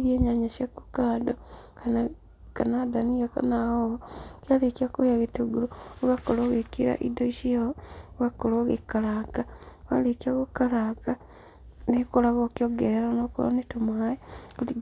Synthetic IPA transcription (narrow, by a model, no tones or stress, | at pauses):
ɾieːɲaɲaʃjaku̥kaːdokan | kanadaniɣaka̰nahookjalekiakojaɣituɡulooɣakoloɣekiɾa̰ʔḭdoiʃiaɣakoloɣekalaɡawa̰lekiaɣokalaɡa | nekolaɣokjoɡeɾeɾanokolo̰netomajekuti